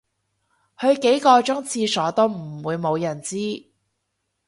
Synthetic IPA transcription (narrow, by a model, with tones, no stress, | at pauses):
hɵ˨˧ɥke˨˥jkɔː˧t͡ʃʊ˥ŋt͡sʰiː˧sɔː˨˥t̪o˥wm̩˨˩wuː˨˧jmo˨˧wjɐ˨˩nt͡siː˥